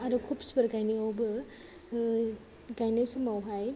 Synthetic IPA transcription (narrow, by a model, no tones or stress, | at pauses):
aɾukʰupsbɐɾɡajnijawbɯ | ɡajnajsumawɦaj